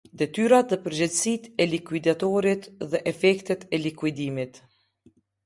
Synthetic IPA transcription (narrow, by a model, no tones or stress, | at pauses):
d̪ɛt̪yɾat̪ðɛpəɾd͡ʑɛd̪sit̪ɛlikwid̪at̪ɔɾit̪ðɛʔɛfɛkt̪ɛt̪ɛlikwid̪imit̪